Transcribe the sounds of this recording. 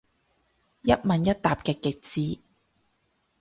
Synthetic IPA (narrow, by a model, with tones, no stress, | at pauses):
jɐ˥t̚mɐ˨˧njɐ˥t̚t̪aː˨p̚kɛː˧kɪ˨k̚t͡siː˨˥